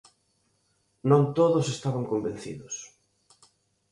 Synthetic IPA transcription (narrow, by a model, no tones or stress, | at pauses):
nõnt̪oðʊsest̪aβaŋkomben̟θḭðʊs